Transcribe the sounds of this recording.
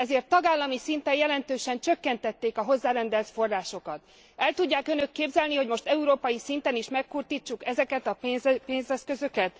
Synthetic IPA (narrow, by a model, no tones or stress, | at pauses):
ɛzeːrt̪ːɒɡaːlːɒmisint̪ɛjjɛlɛnt̪øːʃɛnt͡ʃø̞kːɛnt̪ɛt̪ːeːkɒɦo̞zːaːɾɛnd̪ɛlt̪fo̞rːaːʃo̞kɒt̪ | ɛlt̪uɟːaːkø̞nø̞kːeːbzɛlniho̞ɟmo̞ʃt̪ɛuɾoːpɒjisint̪ɛniʃmɛkːurt̪iːt͡ʃːukɛzɛkɛt̪ɒezpeːnzɛskø̞zø̞kɛt̪